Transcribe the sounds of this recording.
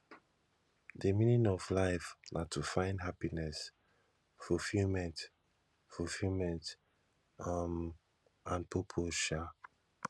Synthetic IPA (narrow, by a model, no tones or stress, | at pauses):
dəmĩnĩŋɔvlaɪfnʔatʰufãɪ̃ndɦapinɛs | fulfilmɛ̃nt | fufilmɛ̃nt | am | ãnpʰopʰoʃa